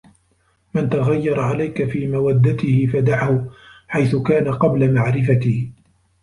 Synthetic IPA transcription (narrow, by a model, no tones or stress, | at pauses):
mɪnt̪aɣajːɑɾˤʕalajkafiːmawad̪ːat̪ɪhɪfad̪aʕhʊħajθʊkaːnaqɑblamaʕɾɪfat̪ɪh